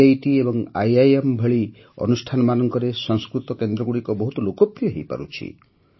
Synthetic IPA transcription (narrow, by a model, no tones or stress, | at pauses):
ajʈiebɔŋajajembʱeɭi | ɔ̰nusʈʰanɔmanɔŋkɔɾesɔ̃ŋskɾut̪ɔkend̪ɾɔɡuɽikɔbɔɦut̪ɔlokɔpɾijɔɦejpa̰ɾṵt͡ʃʰḭ